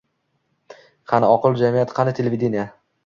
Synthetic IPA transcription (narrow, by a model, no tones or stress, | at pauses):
qʰɑnɪɒqɨlˠd͡ʒamijat̪qʰɑnɪt̪ʰelʲevʲid̪enija